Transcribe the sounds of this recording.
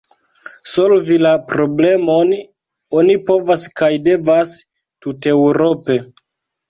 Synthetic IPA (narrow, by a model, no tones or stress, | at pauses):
so̞lvilapɾo̞ble̞mo̞n | o̞nipo̞vaskajde̞vas | tute̞wɾo̞pe̞